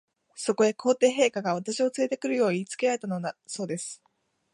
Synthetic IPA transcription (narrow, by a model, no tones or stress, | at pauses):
so̞ko̞e̞kʰo̞ːt̪e̞ːɦe̞ːkaɡaβ̞at̪aɕio̞t͡sɨɾe̞t̪e̞kɯ̟ɾɯ̟jo̞ːɲ̟it͡sɨ̥ke̞ɾaet̪anoaso̞ːd̪e̞sɨ̥